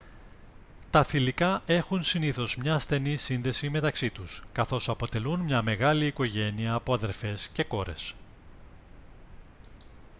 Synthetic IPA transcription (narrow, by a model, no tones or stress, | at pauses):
t̪ɐθilikɐʔe̞xunsiniθo̞zmɲɐːsθe̞nisinðe̞sime̞t̪ɐksit̪uskɐθo̞sɐpo̞t̪e̞lunmɲɐme̞ɣɐliːko̞ʝe̞niɐːpo̞ɐðe̞ɾfe̞sce̞ko̞ɾe̞̰s